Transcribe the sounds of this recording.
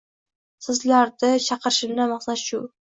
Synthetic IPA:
sɪzlaɾd̪ɪʃʰɑqɨɾʃɪmnamɑχsat̪ʃʊ

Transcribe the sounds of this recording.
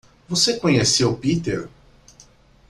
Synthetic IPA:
vosekõɲesewupit̪ḛɾ

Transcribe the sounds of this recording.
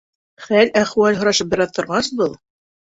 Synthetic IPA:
χælæχwælɦŏɾɑʃɤp̚bɘ̆ɾɑðt̪ŏɾʁɑsbɤlˠ

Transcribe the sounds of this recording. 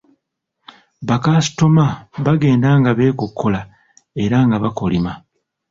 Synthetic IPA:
βakaːsi̥tomaβaɡe̞ːndaŋɡaβe̞ːkokʰːola | e̞ɾaŋɡaβakolima

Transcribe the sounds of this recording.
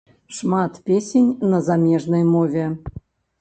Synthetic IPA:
ʂmɑt̪pʲesʲenʲnəzamʲeʐnəjmovʲe

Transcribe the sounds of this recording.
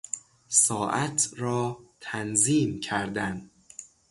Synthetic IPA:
sɒːʔæt̪ʰɾɒːt̪ʰænziːmcʰæɾd̪æn

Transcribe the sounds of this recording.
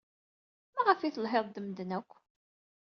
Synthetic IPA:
mæʁəfiθəlɦeðˤd̪əmd̪ənækʷː

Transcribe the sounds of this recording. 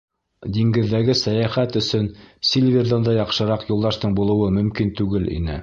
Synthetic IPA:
d̪iŋɡɘ̆ðːæɡɘsæjæχæt̪ɵ̆sɵnsʲilʲvʲerðɑnd̪ɑjɑqʃɤ̆ɾɑqjulˠd̪ɑʃt̪ɤɴbulˠɤ̆wɤmɵ̆mkint̪ʉɡɘlʔḭnɘ̰

